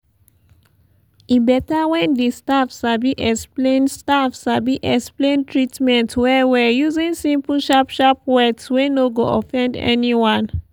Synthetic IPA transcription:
ibɛtawɛ̃ndestafsabiʔɛksplẽnstafsabiʔɛksplẽntɹitmɛ̃ntwɛwɛjuzĩnsĩmpuʃapʃapwɛtswenoɡoʔɔfɛ̃ndɛ̰niwãn

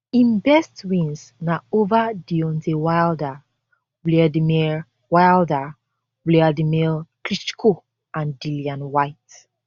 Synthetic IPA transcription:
ĩnbɛstwĩnsnaovadiɔ̃ntewajlda | blɛdimɛ | wajlda | blɛadimɛlklit͡ʃkʰo | ãndiljãnwajt

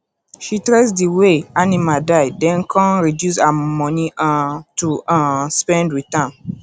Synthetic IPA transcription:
ʃitɹesdiweanimadaɪdɛ̃nkʰãnɹidjus̬amɔ̃niãtuãspɛ̃ndɹitãn

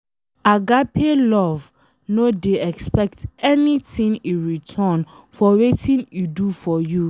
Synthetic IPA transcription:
aɡapʰelɔv | nodeɛkspɛk̚tɛnitĩŋuɹitʰan | fɔwetĩnudufɔju

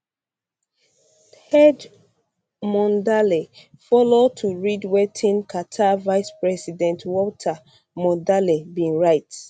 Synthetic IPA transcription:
hɛd͡ʒ | mɔ̃ndale | fɔlod̚tʰuɹidwɛtʰĩnkʰatʰavaɪspɹɛsidɛ̃ntwɔtʰa | mɔ̃ndalebĩnɹaɪt

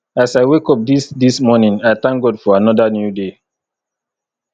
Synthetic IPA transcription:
asaɪwekɔp̚disdismɔnĩŋaɪθãŋk̚ɡɔdfɔanɔðanjude

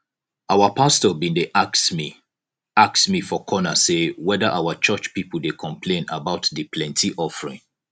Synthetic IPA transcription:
aʊwəpʰastəbĩndeʔaksmi | aksmifɔkʰɔnəsewɛðəʔaʊət͡ʃɜt͡ʃpipəl̩dekʰɔ̃mpʰlẽnabaʊtðɨpʰlɛ̃ntʰiʔɔfəɹɪ̰̃ŋ

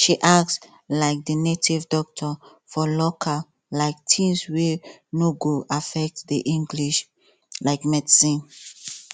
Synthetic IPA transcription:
ʃiʔak̚ts | laɪk̚dənetivdɔk̚tʰɔ | fɔlɔkʰa | laɪk̚tʰĩnswenoɡoʔafɛk̚tdiʔĩŋɡliʃ | laɪkmɛdsĩn

